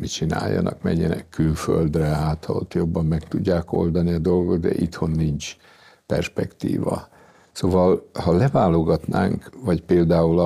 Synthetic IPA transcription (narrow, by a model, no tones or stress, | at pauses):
mit͡ʃina̰ːjːɒ̰nʔɒkmɛ̰ɲːɛnɛ̰kʰːylfø̰ld̪rɛɦaːt̪ʰɒlo̰t̪jo̞bːɒmːɛkt̪uɟːaːko̞̰ld̪ɒniɒd̪o̞lɡo̞t̪̚d̪ɛ̰ʔit̪ho̞nːint͡ʃ | pɛrʃpɛkt̪ḭːvɒ | sovɒlhɒlɛvaːlo̞ɡɒt̪naːŋkvɒcpeːld̪aːulɒ